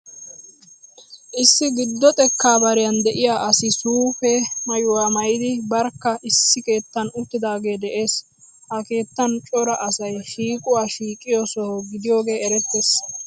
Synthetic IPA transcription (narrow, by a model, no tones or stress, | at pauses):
ʔɪsːɪɡɪd̪ːɔt̪ʼɛkːaːbɐɾɪjɐnd̪ɛʔɪjaːʔɐsɪsuːfɛmɐjʊwaːmɐjɪd̪ɪbɐɾkːɐʔɪsːɪke̞ːt̪ːɐnʊt̪ːɪd̪aːɡe̞ːd̪ɛʔe̞ːs | hɐke̞ːt̪ːɐnt͡ʃʼɔɾɐʔɐsɐjʃiːkʼʊwaːʃiːkʼːɪjosɔhoɡɪd̪ɪjo̞ːɡe̞ːɛɾɛt̪ːeːs